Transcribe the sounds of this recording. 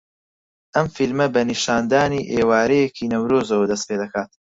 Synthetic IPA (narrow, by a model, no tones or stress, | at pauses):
ʔɐmfilmɐbɐniʃaːnd̪aːniːʔeːwaːɾɛjekʰiːnɐwɾoːzɐwɐd̪ɐs̬t̪pʰed̪ɐkʰaːt̪